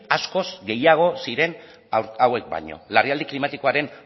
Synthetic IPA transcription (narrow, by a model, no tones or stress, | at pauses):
asko̞zɡe̞jaɣ̞o̞siɾe̞n | awe̞k̚ba̰ɲo̞̰lariald̪iklimat̪iko̞aɾe̞n